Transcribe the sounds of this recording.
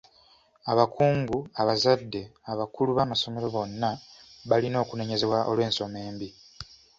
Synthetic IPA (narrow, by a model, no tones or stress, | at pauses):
aβakʰuːŋɡuaβazadːe̞aβakuluβamaso̞me̞ɾo̞βo̞nːaβalino̞ːkune̞ɲe̞ze̞βwaʔo̞lwe̞ːnso̞me̞ːmbi